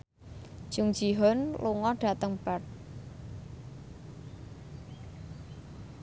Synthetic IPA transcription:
ʒ̥uŋ̥ʒ̥iɦɔnluŋɔɖ̥a̤t̪əŋb̥at̪̚

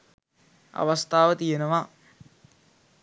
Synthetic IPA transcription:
ɐ̰ʋɐst̪ʰaːʋət̪ijenəʋa

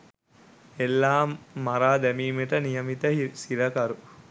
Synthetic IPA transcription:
elːaːmaɾaːd̪ɛmiːmeʈənijɐmit̪əsiɾɐkɐɾu

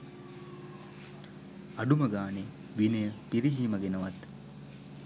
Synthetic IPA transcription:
ɐɖumɐɡaːni | ʋinɐjəpiɾiɦiːmɐɡenɐʋɐt̪

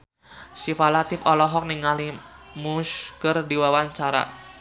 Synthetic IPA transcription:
sifalat̪ɪfɔlɔɦɔk̚niŋalimusɡərdiwawaɲt͡ʃaɾa̰

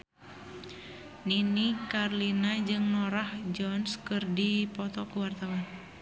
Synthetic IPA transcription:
ninikarlinad͡ʒɨŋnɔɾahd͡ʒɔnskɨrdipɔt̪ɔkuwart̪awan

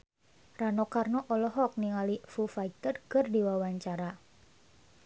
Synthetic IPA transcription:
ranɔkarnɔʔɔlɔɦɔk̚niŋalifufait̪ərkərdiwawaɲt͡ʃaɾa

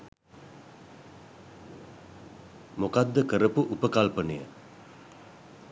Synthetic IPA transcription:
mokad̪ːəkəɾəpuʔupəkalpənə̰jə

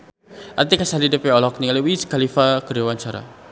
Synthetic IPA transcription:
art̪ikasalidəpɛɔlɔk̚niŋaliwiskalifakəɾiwant͡ʃaɾa̰

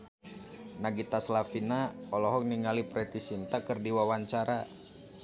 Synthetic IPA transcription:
naɡit̪aslafinaɔlɔɦɔk̚niŋalipɾɛt̪isint̪akɨrdiwawaɲt͡ʃaɾa

